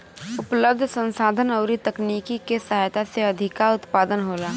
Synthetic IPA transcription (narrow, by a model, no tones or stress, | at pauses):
ʊpləb̚d̪ʱsə̃nsaːd̪ʱənɐʊɾit̪ɐkniːkikesɐɦaːjt̪aseɐd̪ʱɪkaʊt̪paːd̪ənɦoːlaː